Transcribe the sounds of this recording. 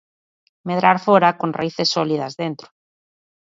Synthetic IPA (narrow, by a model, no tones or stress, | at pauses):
meðɾaɾfoɾakõnra̰iθesːɔliðazðent̪ɾʊ̥